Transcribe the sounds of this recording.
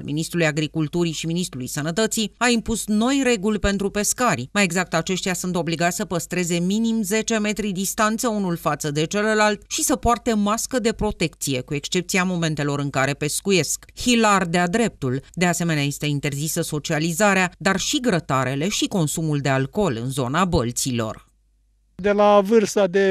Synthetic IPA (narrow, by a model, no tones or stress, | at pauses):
lmḭnist̪ɾulujaɡɾikult̪uɾiʃiminist̪ɾulujsənət̪ət̪siaimpusno̞jre̞ɡulʲpe̞nt̪ɾupe̞skaɾʲmaje̞ɡzak̚t̪at͡ʃe̞ʃt̪jasunt̪o̞bliɡat̪ʲsəpəst̪ɾe̞ze̞minimze̞t͡ʃe̞me̞t̪ɾid̪ist̪ant̪səunulfat̪səd̪e̞t͡ʃe̞ləlalt̪ʃisəpoart̪e̞maskəd̪e̞pɾo̞t̪e̞kt̪sije̞kue̞kst͡ʃe̞p̚t̪siamo̞me̞nt̪e̞lo̞ɾɨŋkaɾe̞pe̞skuje̞skhilard̪ead̪ɾe̞p̚t̪uld̪e̞ase̞meneaje̞st̪e̞int̪e̞rzisəso̞t͡ʃializaɾead̪arʃiɡɾət̪aɾe̞le̞ʃiko̞nsumuld̪e̞alko̞lɨ̰nzo̞nabəlt̪silo̞̰r | d̪elavɨrsad̪e